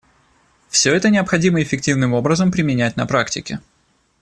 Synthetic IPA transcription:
fsʲɵɛt̪ənʲɪɐpxɐdʲiməɪfʲːɪktʲivnɨmo̞bɾəzəmpɾʲɪmʲɪnʲæt̚ʲnɐpɾaktʲɪkʲɪ

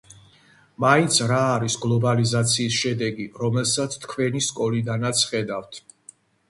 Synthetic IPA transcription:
maint̪sʰɾaːɾisɡlˠɔbalizat̪sʰiːsʃɛd̪ɛɡiɾɔmɛlˠsat̪sʰt̪ʰkʰwɛniskʼɔlid̪anat̪sʰχɛd̪aft̪ʰ

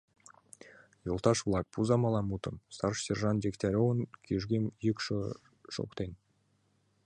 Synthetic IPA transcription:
jolˠt̪ɑʃvlˠɑk̚pʰuzɑmɑlˠɑmut̪ə̆mst̪ɑrʃsʲerʒɑndʲekt̪ʲæɾʲowənkʰʲeʒɡʲemjəkʃ | ʃo̰kt̪en

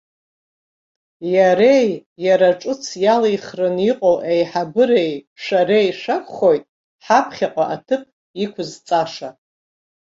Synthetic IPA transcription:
jaɾejːaɾaʈ͡ʂʼʊt͡sʰjalajχrɨniqʼowʔejħabɨɾejʂaɾejʂakʷʰʼχo̞jtʼ | ħapʰχʲaqʼaʔatʰɨp̚ʰ | ikʷʰʊzt͡sʼaʂa

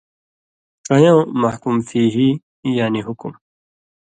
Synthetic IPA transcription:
kajãmaħkʊmfiːɦi | jaʕniɦʊkʊm

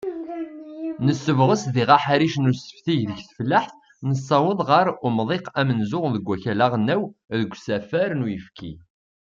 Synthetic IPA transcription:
nəsːəvʁəsðiʁaħaɾiʃənusə̥fθiʝðəʝθə̥fəlːaħθ | nəsˤːɑwəðˤʁəɾʊmðˤeqæmənzʊʁnðəɡʷːæçælaʁnːæwðəɡʷːsæfæɾnujəfkʰḭ

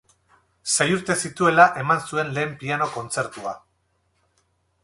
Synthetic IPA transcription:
sajuɾt̪e̞sit̪ue̞laʔe̞mansue̞nle̞ːmpiano̞ko̞nt͡se̞ɾt̪ua

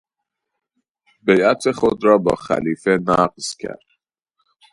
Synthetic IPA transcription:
bejæt̪ʰeχod̪ɾɒːbɒ̰ːxæ̰liːfenæqz̥kʰæ̰ɾd̪̥̚

